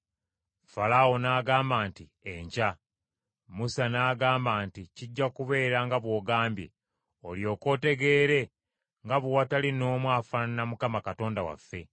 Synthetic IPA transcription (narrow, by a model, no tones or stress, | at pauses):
falawo̞naːɡaːmbaːnti | eɲca | musanaːɡaːmbaːnticiɟːakuβe̞ːɾaŋɡaβwo̞ːɡaːmbjḛ | o̞ljo̞ːko̞ːte̞ɡe̞ːɾe̞ | ŋɡaβowatalino̞ːmwaːfannamukamakato̞ːndawa̰fːe̞